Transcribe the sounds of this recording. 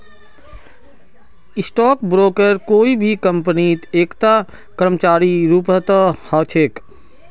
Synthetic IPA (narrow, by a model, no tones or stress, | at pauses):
ɪsʈɔːkbɾoːkəɾkoːibʱikə̃mpənit̪eːkt̪a | kəɾmət͡ʃaːɾiɾuːpət̪əhət͡ʃʰeːk